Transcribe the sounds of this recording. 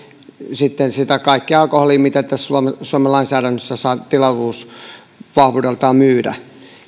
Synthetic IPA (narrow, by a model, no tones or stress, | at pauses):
sit̪ːensit̪ækɑikːiɑlkoholimit̪æt̪ːæssuomesuomelɑinsæːɾænːøsːæsɑit̪ilɑruːs | ʋɑhʋudelt̪ɑːmyːdæ̰